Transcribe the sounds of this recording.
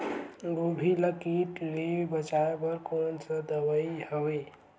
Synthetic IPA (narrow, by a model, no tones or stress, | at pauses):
ɡobʱiləkiʈlebət͡ʃaepəɾkonsə̃d̪əbəihəwe